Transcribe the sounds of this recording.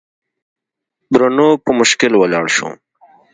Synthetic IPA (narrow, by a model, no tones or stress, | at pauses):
b̪ɾanopəmʊʃkɪlwalɑːɽʃo̰